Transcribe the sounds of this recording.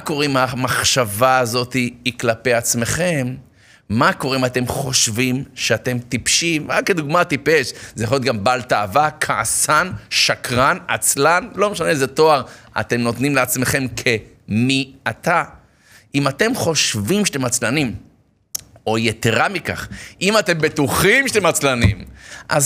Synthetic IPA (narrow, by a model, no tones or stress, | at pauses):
mako̞ʁimamaχʃavaːzo̞t̪iːklape̞jat͡sme̞χe̞mː | ako̞ʁeimat̪e̞mχo̞ʃvimʃeat̪e̞mt̪ipʃimʁakːed̪uɡmat̪ipe̞ʃzejaχojot̪ɡambalt̪aːvakʰaa̰sanʃakʁanat͡slanlo̞meʃanezet̪o̞aʁa̰t̪e̞mno̞t̪nimleat͡sme̞χe̞mkʰe̞ | miat̪a | imate̞mχo̞ʃvimʃe̥t̪e̞mat͡slanim | o̞jet̪e̞ʁamika̰χʔimate̞mbe̞t̪uχimʃe̥t̪emat͡slanḭmʔa̰z